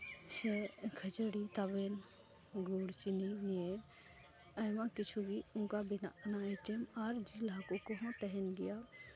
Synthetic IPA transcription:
sekʰət͡ʃəɽit̪aben | ɡuɽt͡ʃininije | əjmãkit͡ʃʰubʱiũːkabinanajʈemaɾd͡ʒilakukoɦõt̪əɦɛnɡija

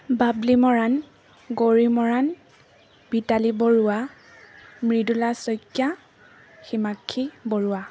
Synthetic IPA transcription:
bablimɔɹan | ɡoɹimɔɹan | bitaliboɹʊwa | mɹidulasɔjkja | ximakʰːiboɹʊa

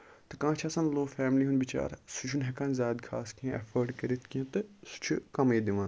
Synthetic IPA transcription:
t̪ɨkãːt͡ʃʰaːsanloːfɛːmliːɦunbit͡ʃa̰ːɾsut͡ʃʰunɦɛkaːnzʲaːd̪kʰa̰ːskẽʔɐ̰fəɾɖkɐɾit̪ʰkẽt̪ɨsu̥t͡ʃʰukɐmeːd̪iʋãːn

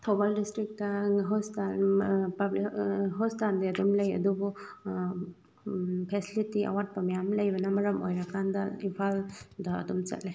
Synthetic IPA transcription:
t̪ʰɔbaldistɾik̚taɦɔstanpablɦɔstandeɐdumlejɐ̰dubu | pʰesilitia̰wat̚pamijamlajbɐnamɐɾɐmo̰jɾakʰandaipʰalda̰ːdumt͡ʃa̰tlaj

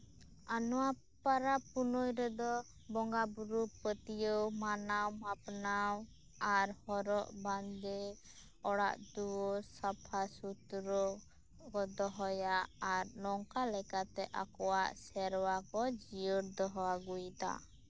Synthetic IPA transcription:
anɔwa | paɾapunɔjɾɛd̪ɔ | bɔŋɡabuɾupət̪ijəwmanawmapnaw | aɾhɔɾɔʔband̪ɛ | ɔɽa̰ʔd̪uwɔsapʰasut̪ɾɔ | kɔd̪ɔɦɔjaʔaɾnɔŋkalɛkat̪ɛʔa̰kɔwaʔsɛɾwakɔd͡ʒiəɾd̪ɔɦɔwaɡujt̪a̰

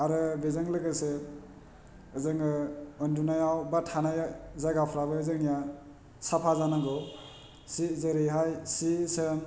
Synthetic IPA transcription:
aɾɯbezaŋlɯɡɯsɯ | ɯzɯŋɯɔndunajawbatʰanajazaɡapʰɾabɯːzɯŋija | sapʰazanaɡɔw | sizɯɾɯjɦajsisem

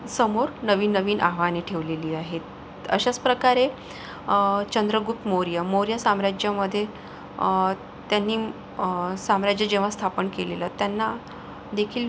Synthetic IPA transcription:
səmoɾnəʋiːnːəʋiːnʔa̰ɦʋaneʈʰeʋleliːaɦet̪̚ | ə̰ɕat͡spɾəkaɾe | t͡ɕənd̪ɾəɡup̚t̪moɾjamoɾjasamɾad͡ʑjaməd̪ʱːje | t̪janːiː | samɾad͡ʑjad͡ʑeʋ̤ast̪ʰapənkelelət̪janːa | d̪ekʰiːl

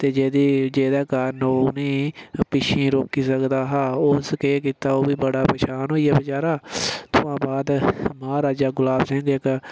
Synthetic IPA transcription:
t̪eːd͡ʒeːd̪iːd͡ʒeːd̪ɛːkaːnoːnĩːpɪʃʰĩːɾoːkiːsəkd̪aːɦaːoːskeːkiːt̪aːoːbiːbəɽaːpɛːʃaːnɦoːijaːbət͡ʃaːɾaːt̪ʰʊãːbaːd̪maːɾaːd͡ʒaːɡʊlaːbsɪ̃ŋɡɪk

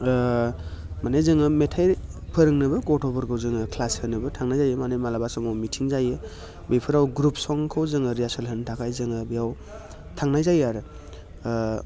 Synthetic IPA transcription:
manezɯŋɯmetʰajpʰɯɾɯŋnɯbɯɡɔtʰɔbɔɾkʰɯwzɯŋɯkʰlashɯnɯbɯtʰaŋnajzajɯmanemalabasɔmawmitʰiŋzajɯ | bejpʰɯɾawɡɾup̚sɔŋkʰɯwzɯŋɯɾiasɯlɦɯntʰakʰajzɯŋɯbijaw | tʰaŋnajzajaɾɯ

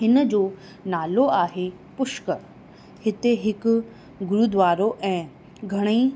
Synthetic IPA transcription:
ɦɪnəd͡ʑoː | naːloaːɦe | pʊʃkə | hɪt̪eɦɪkʊ̆ | ɡʊɾuːd̪ʋaːɾoʔɛ̃ː | ɡʱɐɽ̃i

